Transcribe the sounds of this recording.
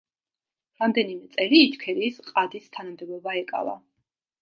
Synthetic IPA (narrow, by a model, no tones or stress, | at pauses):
ɾamd̪ɛnimɛt̪sʼɛliːt̪ʰkʰɛlisqʼad̪ist̪ʰanamd̪ɛbɔbaɛkʼa̰va̰